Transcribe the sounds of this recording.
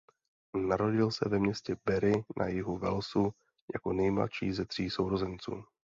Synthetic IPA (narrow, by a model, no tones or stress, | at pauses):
naɾo̞ɟɪlsɛ̰vɛmɲɛscɛbɛɾɪnʔa̰jɪɦuvɛ̰lsu | ja̰ko̞nɛjmla̰ʃiːzɛt̪r̝̥iːsowɾozɛnt͡sṵː